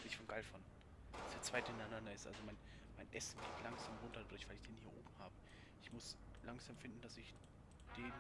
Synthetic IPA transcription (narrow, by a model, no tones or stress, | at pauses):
ɪfɔnɡ̥aɪlfan | vaɪsd̥eːɐt͡sv̥aɪthɪnaɪnandɐɪstʔa̰lzomaɪn | maɪnʔɛsn̩ɡeːtʰlaŋz̥aːmʁʊntɐdadʊɐçv̥aɪlɪçd̥eːnhiːɐʔo̰ːbm̩haːbə | ʔɪçmʊslaŋz̥aːmfɪndn̩d̥asɪç | d̥eːn